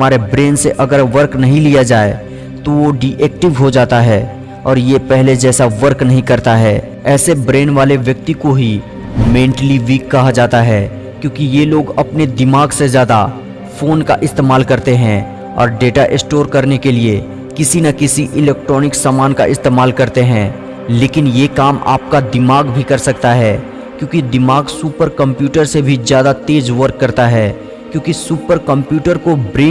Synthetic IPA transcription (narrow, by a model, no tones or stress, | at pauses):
maːɾebɾeːnseʔɐɡəɾʋɐɾknɐɦĩlijad͡ʒaːe | t̪oʋoɖiʔeːk̚ʈɪʋɦod͡ʒaːt̪aɦɛː | ɔːɾjepɛɦled͡ʒɛːsaʋɐɾknɐɦĩkɐɾt̪aɦɛ | ɛːsebɾeːnʋaːleʋjɐk̚t̪ikoɦi | mẽːɳʈliʋiːkːɐɦad͡ʒaːt̪aɦɛː | kjõːkijeloːɡɐpned̪ɪmaːɡsezjaːd̪a | foːnka̰ʔɪst̪eːmaːlkɐɾt̪eɦɛ̃ | ɔ̰ːɾɖeːʈaʔɪsʈoːɾkɐɾnekelie | kɪsinɐkɪsiʔɪlɛːk̚ʈɾɔːnɪksaːmaːnka̰ʔɪst̪eːmaːlkɐɾt̪eɦɛ̃ː | leːkɪnjekaːma̰ːp̚kad̪ɪmaːɡbʱikɐɾsɐk̚t̪aɦɛː | kjõːkid̪ɪmaːɡsuːpəɾkɐ̃mpjuːʈəɾsebʱizjaːd̪at̪eːd͡ʒʋɐɾkːɐɾt̪aɦɛː | kjõːkisuːpəɾkɐ̃mpjuːʈəɾkobɾeː